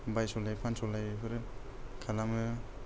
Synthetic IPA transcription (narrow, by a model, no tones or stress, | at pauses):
bajsɔlajpʰansɔlajpʰɯɾɯkʰalamɯ